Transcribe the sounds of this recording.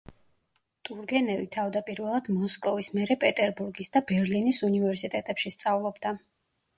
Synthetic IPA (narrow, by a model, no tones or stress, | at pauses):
t̪ʼuɾɡɛnɛvit̪ʰavd̪apʼiɾvɛlˠad̪̥mɔskʼɔvismɛɾɛpʼɛt̪ʼɛɾbuɾɡisd̪abɛɾlinisunivɛɾsit̪ʼɛt̪ʼɛpʃist̪sʼavlˠɔbd̪a